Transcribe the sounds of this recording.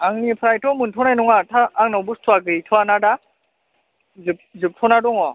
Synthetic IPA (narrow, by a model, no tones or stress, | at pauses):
aŋnipʰɾajtʰɔmɯntʰɔnajnɔŋatʰaːŋnawbustʰɔaɡɯjtʰɔanada | zɯp̚zɯp̚tʰɔnadɔŋɔ